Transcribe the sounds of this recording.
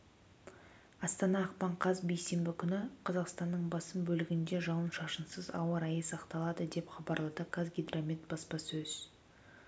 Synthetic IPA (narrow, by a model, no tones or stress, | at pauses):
ɑst̪ɑnɑːq̚pɑɴqʰɑzbe̞jse̞mbɪkʲʰʏnɪqʰɑzɑqst̪ɑnːəɴbɑsəmbɵlɪɡʲɪnd̪e̞ʒɑwənʃɑʃənsəzɑ̰wəɾɑjəsɑqt̪ɑlˠɑd̪əd̪e̞pχɑbɑɾlˠɑd̪əkʰazɡʲid̪romʲit̪bɑspɑsɵz̥